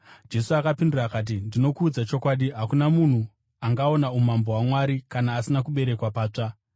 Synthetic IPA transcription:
d͡ʒe̞suakapindiraːkat̬indino̞kuːd͡zat͡ʃo̞kwaɗiɦakunamun̤u | aŋɡao̞naumambo̞ɦwamwaɾikanaːsinakuɓe̞ɾe̞kwapaːt͡ʂa

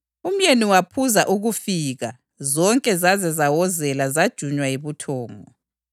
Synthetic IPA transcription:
um̩jeniwapʰuzaʔuɣufiɣa | zɔŋkʼɛzazɛzawɔzɛlazad̥ʒ̥ʱuɲwajeβutʰɔːŋɔ̰

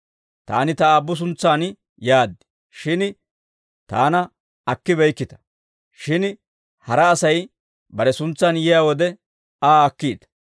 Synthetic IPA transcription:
t̪a̰ːnɪt̪ɐaːbːʊs̬ʊnt͡sːaːn | jaːd̪ːɪ | ʃɪn | t̪a̰ːnɐ | ɐkːɪbɛjkːɪt̪ɐ̥ | ʃɪn | hɐɾɐːsɐj | bɐɾɛsʊnt͡sːaːnjɛjaːwɔd̪ɛ | aːkːiːd̪

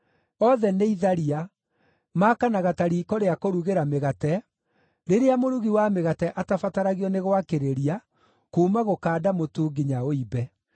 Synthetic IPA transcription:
ɔðɛneiðaɾia | makanaɣataɾiːkɔɾeakoɾuɣeɾameɣatɛ | ɾeɾeamoɾuɣiwameɣatɛʔatafataɾaɣiɔneɣwakeɾeɾia | kuːmaɣokaːdamotuːɡiɲaoibɛ

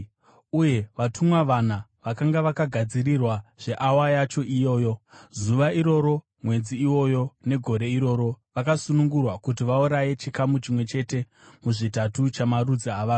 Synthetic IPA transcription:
uje̞ʋatʰumwaʋan̤aʋakaŋɡaʋakaɡʱad͡zirirwaʐ̥e̞ʔawajat͡ʃo̞ʔijo̞ːjo̞zuʋaiɾo̞ɾo̞ | mwe̞d͡ziiwo̞jo̞ne̞ɡʱo̞ɾe̞iɾo̞ːɾo̞ʋakasunuŋɡurwakutiʋauɾaje̞t͡ʃikamut͡ʃimwe̞t͡ʃe̞te̞ | muʐitatut͡ʃamarud͡zaaʋaː

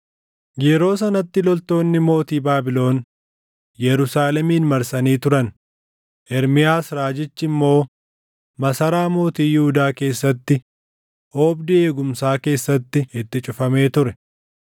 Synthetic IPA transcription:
ɡeːɾo̞ːsɐnɐt̪ːɪlɔlt̪o̞ːnːɪmo̞ːt̪iːbaːbɪlo̞ːn | jɛɾʊsaːlɛmiːnmɐɾsɐniːt̪ʊɾɐn | ʔɛɾmɪjaːsɾaːd͡ʒɪt͡ʃːɪmːo̞ː | mɐsɐɾaːmo̞ːt̪iːjɪhʊd̪aːke̞ːsːɐt̪ːɪ | ʔoːbd̪ɪe̞ːɡʊmsaːke̞ːsːɐt̪ːɪɪt̪ːɪt͡ʃʼʊfɐme̞ːt̪ʊɾɛ

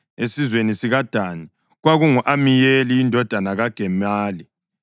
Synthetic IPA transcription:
esizwenisiɣad̥ʱani | ɣwaɣuŋuʔamijeliːndʱɔd̥ʱanaɣaɡ̥ʱɛmaːli

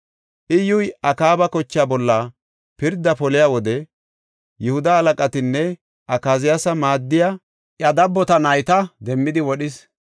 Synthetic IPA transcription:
ʔɪjʊjɐkaːbɐkɔt͡ʃːɪaːbɔlːɐ | pɪɾd̪ːɐpɔlɪjaːwɔd̪ɛ | jɛhʊd̪ɐːlɐkʼɐt̪ɪnːɛ | ʔɐkaːzɪjasɐmaːd̪ːɪja | ʔjɐd̪ɐbːɔt̪ɐnɐjt̪ɐd̪ɛmːɪd̪ɪwɔɗɪs

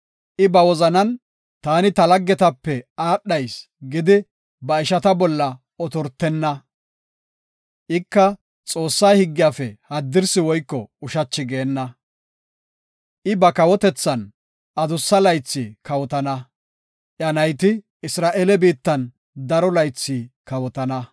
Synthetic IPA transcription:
ʔɪbɐwɔzɐnɐn | t̪aːnɪt̪ɐlɐɡːɛt̪ɐpːɛaːɗːɐjs | ɡɪd̪ɪ | bɐɪʃɐt̪ɐbɔlːɐ | ɔt̪ɔɾt̪ːɛnːɐ | ʔɪkːɐ | t͡sʼo̞ːsːaːhɪɡːɪjaːfɛhɐd̪ːɪɾsɪwɔjkːɔʊʃɐt͡ʃːɪɡeːnːɐ | ʔɪbɐkɐwɔt̪ɛt͡sːɐn | ʔɐd̪ʊsːɐlɐjt͡sːiːkɐwɔt̪ɐnɐ | ʔjɐnɐjt̪ɪ | ɪsɾaːʔeːlɛbiːt̪ːɐn | d̪ɐɾɔlɐjt͡sːiːkɐwɔt̪ɐnɐ

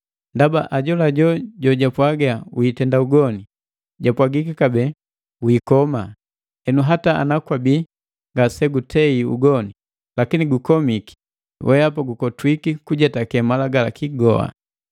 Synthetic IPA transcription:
ndabaʔaɟɔlaɟɔɟɔɟapwaɡawwitɛndauɡɔni | ɟapwaɡikikabɛ | wiːkɔma | ɛnuɦataa̰nakwabi | ŋɡasɛɡutʰɛiṵɡɔni | lakiniɡukɔmiki̥ | wʔɛapaɡukɔtwikikuɟɛtakɛmalaɡalakiɡɔ̰a̰

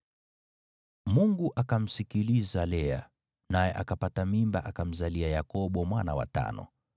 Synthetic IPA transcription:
muŋɡuʔakam̩sikilizalɛa | najɛʔakapatamimba̰ʔakam̩zaliajakɔɓɔmwana̰wa̰ta̰nɔ̰

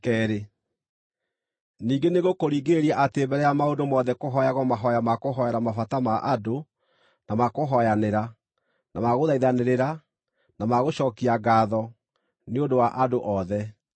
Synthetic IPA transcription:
kɛɾe | niːŋɡeneɣokoɾiːɡeɾɛʔatebɛɾɛamaondomɔːðɛkoɦɔjaɣɔmaɦɔjamakoɦɔɛɾamafatamaʔado | namakoɦɔjaneɾa | namaɣoðaiðaneɾeɾa | namaɣoʃɔːkiaɡaːðɔ | neondowaʔadoʔɔðɛ

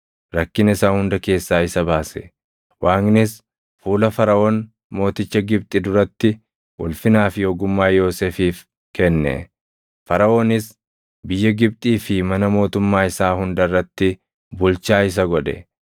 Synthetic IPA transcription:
ɾɐkːɪnɪsaːhʊnd̪ɐke̞ːsːaːɪsɐbaːsɛ̥ | waːŋnɪs | fuːlɐfɐɾɐoːn | mo̞ːt̪ɪt͡ʃːɐɡɪb̚t̪ʼɪd̪ʊɾɐt̪ːɪ | ʔʊlfɪnaːfjoːɡʊmːaːjo̞ːseːfiːf | kɛnːɛ̰ | fɐɾɐʔoːnɪs | bɪjːɐɡɪb̚t̪ʼiːfɪmɐnɐmo̞ːt̪ʊmːaːɪsaːhʊnd̪ɐrːɐt̪ːɪ | bʊlt͡ʃaːɪs̬ɐɡɔd̪ɛ̰

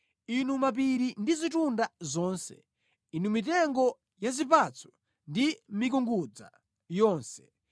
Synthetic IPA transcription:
inumap̬iɾindizitundazɔːnsɛ̰ | inumitɛŋɡɔ | jazip̬at͡sʰɔ̥ | ndimik̬uŋɡud͡za̰ | jɔːnsɛ̥

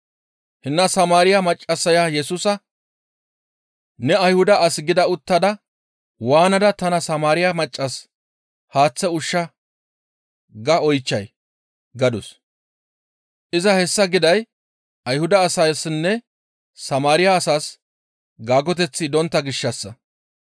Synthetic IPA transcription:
hɪnːɐsɐmaːɾɪjɐmɐt͡ʃʼːɐsɐjajɛsʊsɐ | nɛɐjhʊd̪ɐʔɐsɪɡɪd̪ɐʊt̪ːɐd̪ɐ | waːnɐd̪ɐt̪ɐnɐsɐmaːɾɪjɐmɐt͡ʃʼːɐs | haːt͡sːɛʊʃːɐ | ɡɐɔjt͡ʃːɐj | ɡɐd̪ʊs | ʔɪzɐhɛsːɐɡɪd̪ɐj | ʔɐjhʊd̪ɐːsɐjsnːɛ | sɐmaːɾɪjaːsaːs | ɡaːɡɔt̪̬ɛt͡sːɪd̪ɔnt̪ːɐɡɪʃːɐsːɐ̰

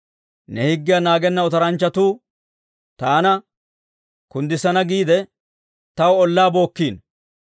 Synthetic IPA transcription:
nɛhɪɡːɪjɐnaːɡɛnːɐɔt̪ɐɾɐnt͡ʃːɐt̪uː | t̪aːnɐ | kʊnd̪ɪsɐnɐɡiːd̪ɛ | t̪ɐwɔlːaːbo̞ːkːiːn

